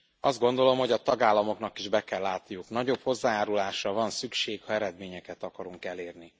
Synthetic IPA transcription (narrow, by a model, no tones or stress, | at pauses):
ɒzd̪̚ɡo̞nd̪o̞lo̞mho̞ɟɒt̪ɒɡaːlːɒmo̞knɒkiʒbɛkɛlːaːt̪nijuknɒɟo̞pho̞zːaːjaːɾulaːʃrɒvɒnsykʃeːkhɒɛɾɛd̪meːɲɛkɛt̪ɒkɒɾuŋkɛleːrni